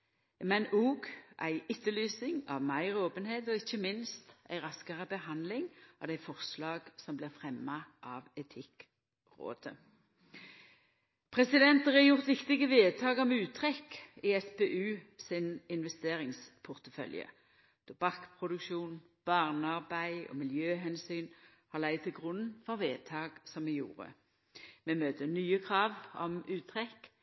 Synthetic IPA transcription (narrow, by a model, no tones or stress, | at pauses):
mɛnuːɡʔæɪɪt̪ːəlyːsɪŋɑ̰ʋmæɪʁoːpənheːt̪ɔɪçːəmɪnst̪æ̰ɪʁɑskɑʁəbəhɑnd̪lɪŋɔ̰d̪æɪfɔʁslɑːɡ̥sɔmblɪʁfʁɛmːɑʔɑʋɛt̪ʰɪk | ʁo̰ːd̪̥ə | pʰʁɛsɪd̪ɛnt̪əʁɛjʊʁt̪ʋɪkt̪ɪɡəʋeːd̪̚t̪ʰɑːɡɔmʉːtt̪ʰʁɛkɪɛspeʔʉːsɪnɪnʋɛst̪eːʁɪŋspʰʊʁt̪əfœ̰ljə̰ | d̪̥ɔbɑkːpʰʁʊd̪ʉkʃuːnb̥ɑʁnəɑʁbæɪɔ̰mɪljøːɦɛnsyːn | hɑlæɪd̪̚t̪ʰːɪlɡʁʊnnfɔʁʋeːt̪ʰɑːɡ̥sɔmɛjṵːʁə̰ | mɛmøːt̪ʰənyːəkʰʁɑːʋɔ̰mʉːt̪ʰʁɛkː